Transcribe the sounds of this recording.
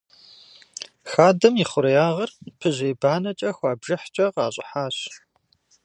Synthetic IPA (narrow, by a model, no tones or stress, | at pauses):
xaːdɐmiːχʷʊɾjaːʁɐrpʰɨʑeːbaːnɐt͡ʃʼɐxʷɑːbʒɐħt͡ʃʼɐqɑːɕʼɪ̰ħaːɕ